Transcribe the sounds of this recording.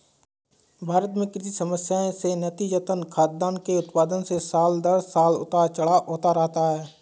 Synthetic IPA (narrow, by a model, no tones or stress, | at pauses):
bʱaːɾət̪mẽkɪsisɐməsjaːẽsenɐt̪iːd͡ʒət̪ənkʰaːt̪̚d̪aːnkeʊt̪paːd̪ənsesaːld̪əɾsaːlʊ̰t̪at͡ʃɐɽaʔoːt̪aɾɐɦt̪aɦɛː